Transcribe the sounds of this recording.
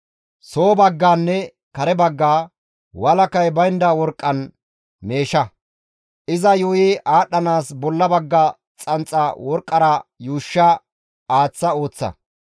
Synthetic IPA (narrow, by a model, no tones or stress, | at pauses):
soːbɐɡːaːnːɛ | kɐɾɛbɐɡːaː | wɐlɐkɐjbɐjnd̪ɐwɔɾkʼːɐn | meːʃɐ | ʔɪzɐjʊjɪʔaːɗːɐnaːsbɔlːɐbɐɡːa | t͡sʼɐnt͡sʼːɐwɔɾkʼːɐɾɐjuːʃːɐ | aːt͡sːɐo̞ːt͡sːɐ̰